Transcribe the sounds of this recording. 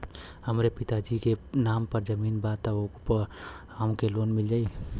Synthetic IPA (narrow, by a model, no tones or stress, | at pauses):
həmɾepit̪ad͡ʒikenampəɾd͡ʒəminbat̪əopə | aũkeloːnmild͡ʒai